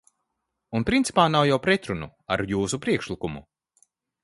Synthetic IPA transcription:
unpɾint̪si̥paːnawjawpɾɛt̪ɾunṵaɾjuːsupɾiɛkʃlikumṵ

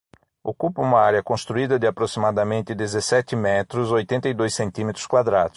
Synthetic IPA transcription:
okupɐũmɐaɾjɐkõst̪ɾuid̪ɐd̪ɪapɾosimad̪ɐmẽnt̪ɪd̪ezesɛt̪ɪmɛt̪ɾʊzojt̪ẽnt̪ɐid̪ojsẽnt̪ĩmet̪ɾʊ̥skwad̪ɾad̪ʊ̥s

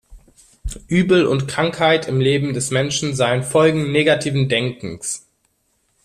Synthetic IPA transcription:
ʔyːbl̩ʊ̰ntkʁ̥aŋkhaɪtʰɪmleːbm̩dɛsmɛnʃn̩zaɪənfɔlɡŋ̩neːɡatʰiːvn̩dɛŋkŋ̩s

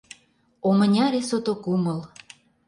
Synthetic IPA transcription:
omənʲɑɾesot̪okuməl

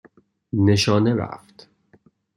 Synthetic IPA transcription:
neʃɒːneɾæ̰ft̪

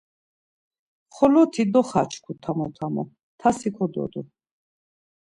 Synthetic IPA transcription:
χɔlɔt̪ʰid̪ɔχat͡ʃʰkʰut̪ʰamɔt̪ʰamɔ̰ | t̪ʰasikʰɔd̪ɔ̰d̪u

